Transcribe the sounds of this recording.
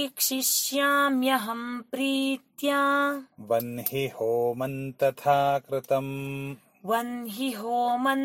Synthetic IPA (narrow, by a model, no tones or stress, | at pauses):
kʃiʃjaːmjɐɦɐmpɾiːt̪jaːʋɐnɦihoːmɐnt̪ɐt̪ʰaːkɾɪt̪ɐm | ʋɐnɦiɦoːmɐn